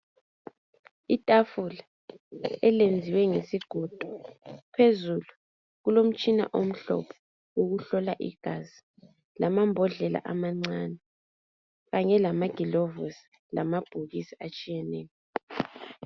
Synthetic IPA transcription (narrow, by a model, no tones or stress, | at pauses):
itʼafula | ɛlend͡zʱiwɛŋesiɡ̥ʱɔd̥ʱɔ̥pʰezulu | ɣulom̩t͡ʃʼina̰ʔom̩ɬɔ̰pʰɔ̥ | woɣuɬɔlaʔḭɡ̥ʱazi | lamambʱɔɮɛla̰ʔamaŋ͡ǀanɛ | ɣaɲɛlamaɡ̥ʱilɔvosi̥ | la̰mab̥ʱuɣisiat͡ʃʼijɛnɛːlɔ